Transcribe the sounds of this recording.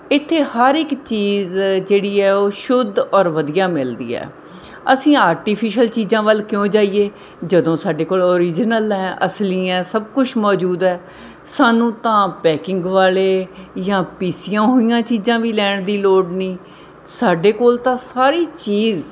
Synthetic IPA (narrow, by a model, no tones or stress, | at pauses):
ɪt̪ʰːeːhəɾɪkt͡ʃiːzd͡ʒeːɽiːɛːoːʃʊd̪ɔːɾʋəd̪ijaːmɪld̪ḭːɛ̰ː | əsĩːaːɾʈiːpʰiːʃəlt͡ʃiːzãːʋəlkɪjõːd͡ʒaːiːeː | d͡ʒəd̪õːsaːɖeːkoːloːɾiːd͡ʒnəlɛ̃ːʔəsliːɛ̃ːsəb̚kʊt͡ʃʰmɔːd͡ʒuːd̪ɛː | saːnũːt̪ãːpɛːkɪ̃ŋɡʋaːleːjãːpiːsɪjãːɦoːijãːt͡ʃiːzãːʋiːlɛːɳd̪iːloːɖnĩː | saːɖeːkoːlt̪ãːsaːɾiːt͡ʃiːz